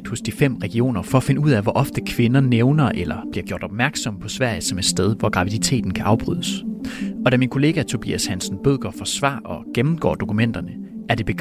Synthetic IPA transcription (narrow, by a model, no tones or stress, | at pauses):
ɡ̥̚d̥hɔ̽sd̥ifem̰ʁɛɡ̥io̝̰ːnɐfɒ̽æfe̝nəuð̰ˠæʋɒʔɒ̽fd̥əkʰʋe̝nɐneʊnɐʔelɐb̥liɐɡ̥jo̝ɐd̥ɒ̽b̥mæɐɡ̥sɒ̽m̰pʰɒ̽sʋæɐ̰jsɒ̽me̝d̥sd̥eð̞ˠʋɒɡ̥ʁɑ̈ʋid̥it͡sʰe̝̰ːd̥n̩kʰæʔɑ̈ʊb̥ʁy̰ð̰ˠəsɒ̽d̥æɐminkʰo̝le̝ːɡ̥æt͡sʰo̝b̥ḭæshænsn̩b̥øðˠɡ̥ɐfɒ̽sʋɑ̰̈ːʔɒ̽ɡ̥emm̩ɡ̥ɒ̰ːd̥o̝kʰumen̰d̥ɐnəæɐd̥e̝b̥e̝ɡ